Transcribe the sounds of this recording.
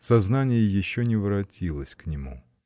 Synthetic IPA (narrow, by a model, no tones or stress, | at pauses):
sɐznanʲɪjəjɪɕːonʲɪvɾɐtʲilˠəsʲknʲɪmu